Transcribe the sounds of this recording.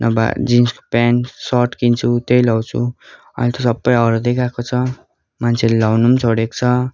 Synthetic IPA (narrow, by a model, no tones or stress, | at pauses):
nʔʌ̰ba̰d͡zinsko̥pansʌʈkint͡sʰut̪ejlawt͡sʰṵ | ʌ̰ilt̪ʌsʌbːʌjʌɾd̪ekakot͡sʰʌ | mant͡sʰelelawnumt͡sʰoɽekt͡sʰʌ